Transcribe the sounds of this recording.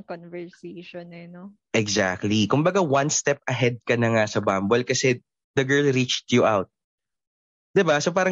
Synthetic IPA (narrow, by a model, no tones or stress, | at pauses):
konvɛɹseʃonɛno | ʔɛɡzak̚t̪likʊmbɐɡawɐnst̪ɛp̚ʔɐɦɛd̪̚kɐnɐŋasɐbambolkɐsɛ | d̪ɐɡɛ˞lɾit͡ʃt̪juʔawt̪̚ | d̪̥ɪbasop̬aːɾɐ